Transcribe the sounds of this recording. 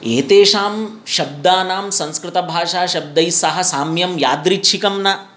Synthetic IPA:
eːt̪eːʂaːm | ʃɐb̚d̪aːnaːmsɐ̃nskɾɪt̪ɐbʱaːʂaːʃɐb̚d̪ɐjsɐɦɐ̆saːmjɐmjaːd̪ɾitːʃʰikɐmnɐ

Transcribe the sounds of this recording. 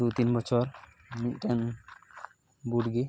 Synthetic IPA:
d̪ut̪inbɔt͡ʃʰɔɾ | miʈɛn | buʈɡi

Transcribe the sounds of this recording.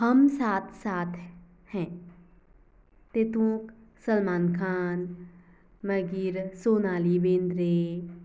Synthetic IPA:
hɐmsaːt̪ʰsaːt̪ʰ | hɛ̃ː | t̪et̪ũːksəlmaːnkʰaːn | məɡiːɾsoːnaːlibẽːnd̪ɾeː

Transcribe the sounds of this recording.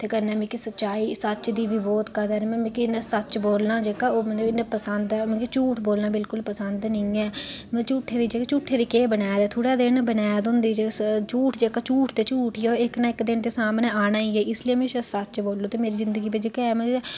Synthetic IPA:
t̪eːkəɾnɛːmĩːkisətːt͡ʃaːiːsət͡ʃd̪iːbiːbɔːt̪kəd̪ənːmɛ̃ːmĩːkinːsət͡ʃboːlnãːd͡ʒeːkaːoːmə̃d͡ʒeɪnepəsənd̪ɛmɛ̃ːkit͡ʃuːʈʰboːlnaːbɪlkʊlpəsənd̪nəĩːɛːmɛ̃ːt͡ʃuːʈʰːeːd̪iːd͡ʒeːkat͡ʃuːʈʰːeːd̪iːkeːbənaːjd̪ɛːt̪ʰoːɽaːd̪ɪnbənaːjad̪ʊ̃nd̪iːd͡ʒeːt͡ʃuːʈʰd͡ʒeːkaːt͡ʃuːʈʰt̪eːt͡ʃuːʈʰiːoːɪknaːɪkd̪ɪnd̪eːsaːmnẽːaːɽ̃ãːiːɛːɪslɪiẽmɛ̃ːʃəsət͡ʃboːlːoːt̪eːmeːɾiːzɪnd̪əɡiːbɪt͡ʃkːɛːmɛ̃ː

